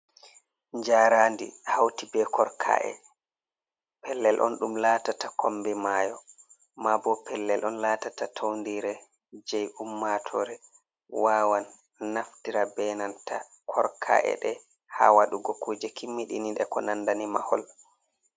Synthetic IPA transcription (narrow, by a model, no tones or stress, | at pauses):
ɲd͡ʒaːɾaːndḭhawtibɛkʰɔɾkʰa̰ʔɛ̰ | pɛlːɛlʔɔ̰nɗumlaːtatakʰɔmbɛmaːjɔ | mabɔpʰɛlːɛlʔɔnlaːtatatʰowndiɾɛ | d͡ʒɛjumːatʰɔɾɛ | waːwanː | afdiɾabɛnantʰa̰ | kʰɔɾkʰa̰ʔɛ̰ɗɛ | ha̰waɗuɡɔkuːd͡ʒɛkʰimːiɗḭninɗɛkɔnandanima̰hɔl